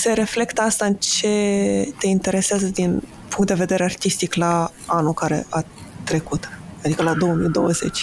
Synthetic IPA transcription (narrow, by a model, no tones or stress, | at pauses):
se̞ɾe̞fle̞kt̪əast̪aɨnt͡ʃe̞t̪e̞int̪e̞ɾe̞seazəd̪in | puŋkt̪d̪e̞ve̞d̪e̞ɾe̞art̪ist̪ikla | anulkaɾe̞̰ʔa | t̪ɾe̞kut̪ad̪ikəlad̪o̞əmid̪o̞̰wəze̞̰t͡ʃʲ